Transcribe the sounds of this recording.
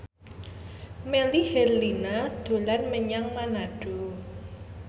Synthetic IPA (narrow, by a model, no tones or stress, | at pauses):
mɛlihɛrlinad̪̥o̤larməɲaŋmanaɖ̥o̤